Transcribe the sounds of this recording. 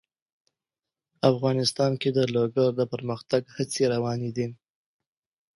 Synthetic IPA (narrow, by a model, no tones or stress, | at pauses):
afɣɑnɪst̪ɑnked̪əloɡaɾd̪əpəɾməxt̪aɡhət͡seɾawɑned̪i